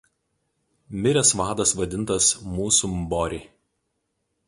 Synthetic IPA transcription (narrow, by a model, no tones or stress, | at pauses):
mʲɪɾʲɛsʋɑːd̪ɐsʋɐd̪ʲɪnt̪ɐsmuːsumbɔɾʲi